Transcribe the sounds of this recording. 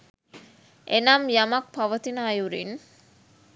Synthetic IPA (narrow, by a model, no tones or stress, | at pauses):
ʔenɐmjɐmɐk̚pɐʋɐt̪inaːjuɾin